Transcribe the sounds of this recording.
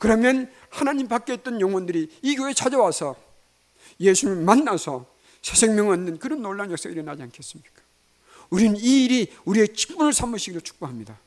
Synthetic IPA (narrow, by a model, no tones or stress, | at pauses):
kɯɾʌmjʌn | hanaɲimpak͈eit̚t͈ʌnjʌŋwʌndɯɾiːɡjoet͡ɕʰad͡ʑʌwasʰʌ | jesʰumɯɭmanːasʰʌ | sʰesʰe̞ŋmjʌŋʌnːɯnkɯɾʌnːoɭːanjʌk̚s͈eɡiɾenad͡ʑiankʰe̞s͈ɯmɲik͈ḁ | uɾinɯniːɾi | uɾie̞t͡ɕi̥p͈ːunɯɭsʰamɯɕʰiɡiɾot͡ɕʰu̥k̚p͈oɦamɲida